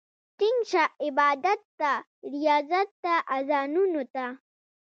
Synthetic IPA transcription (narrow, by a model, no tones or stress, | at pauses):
t̪ɪŋʃaɪbaːd̪ɐt̪ːa | ɾijaːzat̪ːaʔazaːnunot̪a